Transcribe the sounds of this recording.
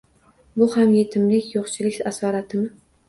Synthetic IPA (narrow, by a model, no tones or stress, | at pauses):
bʊhamje̞t̪ʰɪmlɪkʲjoqt͡ʃʰɪlɪkʲasɒɾat̪ʰɪmɪ